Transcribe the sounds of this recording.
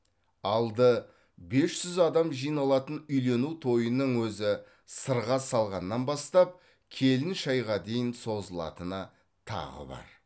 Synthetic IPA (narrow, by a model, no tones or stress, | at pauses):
ɑlˠd̪ə | be̞sʒʏzɑd̪ɑmʒijnɑlˠɑt̪ənʏjle̞nut̪ʰo̞jənəɴwɵzɪ | səɾʁɑsɑlˠʁɑnːɑnbɑst̪ɑp̚ | kʲʰe̞lɪnʃɑjʁɑd̪e̞jɪnso̞zəlˠɑ̰t̪ənɑ | t̪ʰɑ̰ʁə̰bɑ̰ɾ